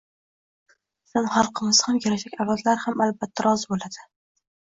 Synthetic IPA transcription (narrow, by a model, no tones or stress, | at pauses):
sɪnχɑlˠqʰɨmɪz̥hamjaɾaʃakʲavazlaɾhamalbat̪ʰːaɾɒzɪbolad̪ɪ